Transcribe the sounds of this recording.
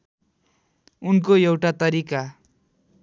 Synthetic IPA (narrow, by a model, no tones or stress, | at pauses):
unkoewʈat̪ʌɾika